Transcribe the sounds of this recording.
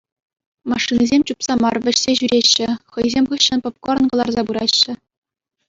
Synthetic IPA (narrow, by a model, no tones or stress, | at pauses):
mɑʂːinizʲemʲt͡ɕupsɑmɑrʋʲɘ̆ɕsʲeʑyɾʲeɕːɘ̆χɤ̆jzʲemʲʁɯɕːɤ̆npɤ̆p̚koɾɤ̆nɡɤ̆lˠɑrzɑbɯɾɑɕːɘ̆